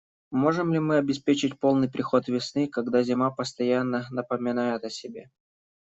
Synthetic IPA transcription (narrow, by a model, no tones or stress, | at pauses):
mo̞ʐɨmlʲɪmɨɐbʲɪspʲet͡ɕɪt̚ʲpo̞lˠnɨjpɾʲɪxo̞t̪vʲɪsnɨkɐɡd̪azʲɪmapəst̪ɐjanːənəpəmʲɪnajɪt̪əsʲɪbʲe